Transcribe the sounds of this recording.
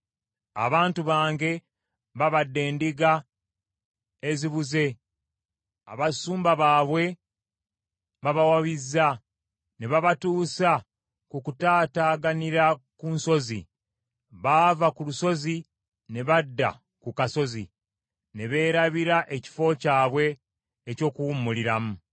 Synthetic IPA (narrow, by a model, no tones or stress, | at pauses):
a̰βaːntuβaːŋɡe̞ | βaβadːe̞ːndiɡa | eziβuze̞ | a̰βasuːmbaβaːβwe̞ | βaβawaβizːa | ne̞βaβatuːsa | kukutaːtaːɡaniɾakunso̞zḭ | βavakuluso̞zi | ne̞βadːa̰ | kukaso̞zḭ | ne̞βe̞ːɾaβiɾaʔeci̥fo̞caːβwe̞ː | co̞ːkuwumːuliɾamu